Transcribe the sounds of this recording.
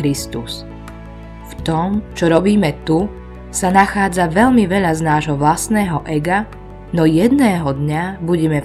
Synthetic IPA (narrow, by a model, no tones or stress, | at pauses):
ɾist̪us | ft̪ɔmt͡ʃɔɾɔbiːmɛt̪u | sanaxaːd͡zaʋɛʎmiʋɛʎaznaːʒɦɔʋlasnɛːɦɔʔɛɡa | nɔjɛd̪nɛːɦɔd̪ɲabuɟɛmɛ